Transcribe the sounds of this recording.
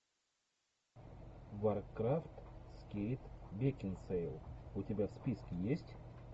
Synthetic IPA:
varkɾaft̪skʲejt̪bʲekʲɪnsejlˠʊtʲɪbʲafspʲiskʲɪjesʲtʲ

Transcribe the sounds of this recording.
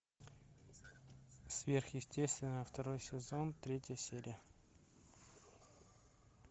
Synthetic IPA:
svʲerxjɪsʲtʲest̪vʲɪnəft̪ɐɾojsʲɪzont̪ɾʲetʲjəsʲeɾʲɪjə

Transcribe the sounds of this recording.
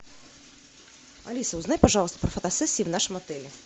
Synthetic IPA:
a̰lʲisɐwznajʲpaʐɑlˠst̪ɐpɾɐfɐt̪asɛsʲːiːwnaʂɨmɐt̪ɛlʲɛ

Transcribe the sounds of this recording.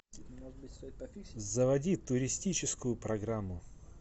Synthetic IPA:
zəvɐdʲit̪ʊɾʲɪsʲtʲit͡ɕɪskʊjʊpɾɐɡɾamːʊ

